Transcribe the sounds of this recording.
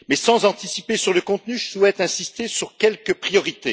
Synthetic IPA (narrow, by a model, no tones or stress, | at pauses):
mɛsɑ̃zɑ̃t̪isipesyʁləkɔ̃t̪nyʒəswɛt̪ɛ̃sist̪esyʁkʲɛlkəpχijɔʁit̪e